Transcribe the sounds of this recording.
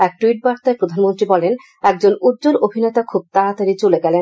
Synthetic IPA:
ɛk̚ʈuiʈ̚baɾt̪aepɾod̪ʱanmont̪ɾibɔlen | ɛk̚d͡ʑonudd͡ʑoɾobʱinet̪akʰub̚t̪aɾat̪aɾit͡ɕoleɡɛlen

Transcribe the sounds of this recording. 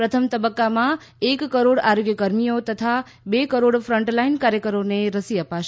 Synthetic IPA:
pɾət̪ʰəmt̪əbəkːamã | ekːəɾoɽaɾoɡjəkəɾmijot̪ət̪ʰa | bekəɾoɽfɾəɳʈlainkaɾjəkəɾoneɾəsiəpaʃ

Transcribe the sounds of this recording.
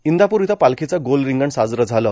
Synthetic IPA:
ind̪ʱapuɾit̪ʰapalkʰit͡saɡolɾiŋɡəɳsad͡zɾəd͡zʱaləː

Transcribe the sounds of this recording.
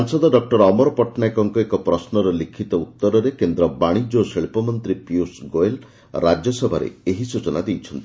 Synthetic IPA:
ɔnsɔd̪ɔɖɔk̚ʈɔɾɔmɔɾɔpɔʈnajkɔŋkɔekɔpɾɔsnɔɾɔlikʰit̪ɔut̪ːɔɾɔɾekend̪ɾɔbaɽ̃id͡ʒoseɭpɔmɔnt̪ɾipiusɡoel | ɾad͡ʒjɔsɔbʱaɾḛeɦisut͡ʃɔnad̪ejt͡ʃʰɔnt̪i̥

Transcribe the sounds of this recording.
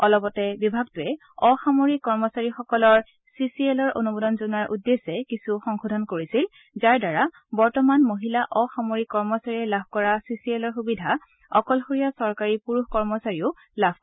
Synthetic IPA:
ɔlɔpɔtɛbibʱaɡtʊɛ | ɔxamoɹikːɔɹmɔsaɹixɔkɔlɔɹ | sisielɔɹo̰nubodɔnzunaɹʔudːesɛkisuxɔŋxodʱɔnkoɹisil | zaɹdaɹa | bɔɹtɔmanmoɦilaʔɔxamoɹikːɔɹmɔsaɹiɛlabʱkɔɹasisielɔɹxubidʱa | ɔkɔlxoɹijasɔɹkaɹipuɹuxkɔɹmɔsaɹiʊ | labʱ

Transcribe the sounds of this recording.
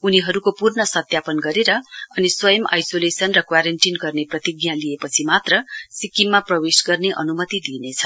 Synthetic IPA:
uniɦʌɾukopurnʌsʌt̪japʌnɡʌɾeɾʌʌniswʌjʌma̰jsolesʌnrʌkwaɾʌnʈinɡʌrneprʌt̪iɡjãliepʌt͡sʰimat̪rʌsikimːaprʌwesɡʌrneʔʌnumʌt̪id̪inet͡sʰʌ̥

